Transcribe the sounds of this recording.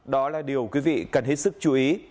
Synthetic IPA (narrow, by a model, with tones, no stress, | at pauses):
ɗɔ˨˦laː˨˩ɗi˨˩əwkwi˨˦vḭ˧˨kə˨˩nɦe˦˥t̚sɨ˦˥k̚t͡ɕu˨˦ʔi˨˦